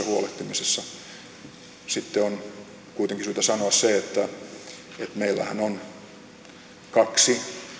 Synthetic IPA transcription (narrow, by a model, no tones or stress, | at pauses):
ɑhuoleht̪ːimisesːɑ | sit̪ːeon | kuit̪eŋkisyit̪æsɑnoɑsseet̪ːæ | et̪meilːæ̰hænon | kɑksi